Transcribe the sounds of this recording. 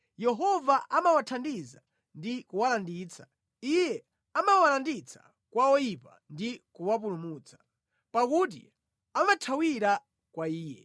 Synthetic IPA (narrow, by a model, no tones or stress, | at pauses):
jɛɦɔvaʔamawatʰandiza | ndikuwalandiːt͡sḁ | ijɛ | amawalandit͡sḁ̰ | kwaɔjipa̰ndikuwapulumut͡sḁ | pakuːt̬ḭ | amatʰawiɾa | kwaiːjɛ̰